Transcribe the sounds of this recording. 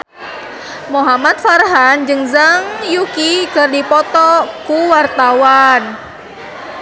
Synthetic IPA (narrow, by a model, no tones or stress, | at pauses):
moɦamat̪̚farɦand͡ʒɨŋzaŋjukikɨrdipɔt̪ɔkuwart̪awan